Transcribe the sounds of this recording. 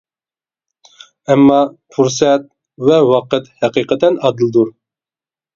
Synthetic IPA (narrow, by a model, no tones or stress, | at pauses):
ɛmːɑfuɾsɛt̪̚ | vɛwɑqət̪hɛqiqʰət̪ʰɛnɑd̪ɨlˠd̪uɾ